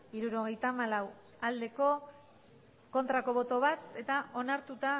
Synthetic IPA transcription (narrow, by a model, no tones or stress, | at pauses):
iɾuɾo̞ɣ̞e̞jt̪amalaw | ald̪e̞ko̞ | ko̞nt̪ɾako̞βo̞t̪o̞βat̪e̞t̪aʔo̞naɾt̪ut̪a